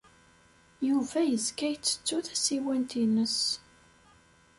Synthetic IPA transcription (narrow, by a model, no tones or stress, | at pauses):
juvæjəzkæjt͡sːə̥t͡sːuθæsiwænt̪inəs